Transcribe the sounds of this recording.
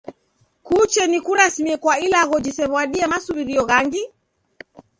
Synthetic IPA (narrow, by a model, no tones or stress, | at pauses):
kut͡ʃɛnikuɾasmiɛkwailaɣɔd͡ʒisɛβɔaɗiɛmasuβiɾiɔɣaŋɡi